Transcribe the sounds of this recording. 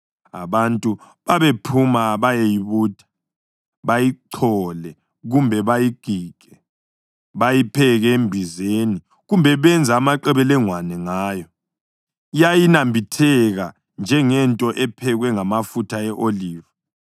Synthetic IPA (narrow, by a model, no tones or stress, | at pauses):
a̰βantʼu | βaβepʰumaβajejiβuːd̥ʱḁ | βajiǀʰɔlɛ | ɣumbʱɛβajiɡ̥ʱiːɡ̥ʱʼɛ | βajipʰɛɣɛembʱizeni | ɣumbʱɛβɛnd͡zʱaːmaǃɛβɛlɛŋwanɛŋaːjɔ | jajinambʱitʰɛɣa | nd͡ʒʱɛŋɛntʼɔʔɛpʰɛɣwɛŋamafutʰaɛʔoliːva